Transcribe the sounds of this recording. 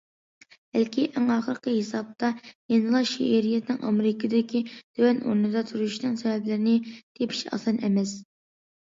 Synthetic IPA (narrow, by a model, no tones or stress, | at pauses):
b̥ælkʲʰiʔæŋɑχəɾqəɦesɑb̚t̪ʰɑjenɨlˠɑʃḭʔeɾijɛt̪nɨŋʔɑ̰mɾɪkʰɪd̪kʲid̪̥øwɛno̰ɾnɨd̪ɑt̪ʰuɾuʃnɨŋsɛwɛblɪɾɪnɪt̪ʰepʰi̥ʃɑ̰sɑnɛmɛs